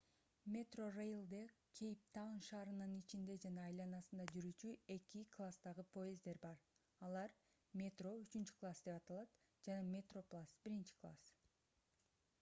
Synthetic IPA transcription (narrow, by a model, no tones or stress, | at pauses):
mʲe̞t̪ro̞rejlˠd̪e | kʲʰejp̚t̪ʰawnʃɑːɾɯnɯnit͡ʃind̪e̞d͡ʒɑnɑːjlˠɑnɑsɯnd̪ɑd͡ʒyɾyt͡ʃye̞kʲiklˠast̪ɑʁɯpʰo̞jezd̪e̞ɾbɑɾ | ɑlˠɑɾ | mʲet̪ro̞yt͡ʃynt͡ʃy̥klˠasd̪e̞pɑt̪ɑlˠɑt̪ | d͡ʒɑnɑmʲe̞t̪ro̞plˠasbiɾint͡ʃi̥klˠa̰s